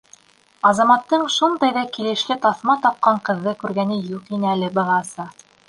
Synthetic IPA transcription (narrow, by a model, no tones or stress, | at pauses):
ɑzɑmɑt̪ːɤɴʃund̪ɑjðɑkilɘ̆ʃlɘt̪ɑθmɑt̪ɑp̚qɑɴqɤ̆ðːɤkʉɾɡænɘjuqinɘælɘbɑʁɑsɤ